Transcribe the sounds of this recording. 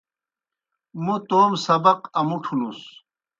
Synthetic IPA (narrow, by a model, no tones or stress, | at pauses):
mut̪oːmsɐbɐqɐmuʈʰulus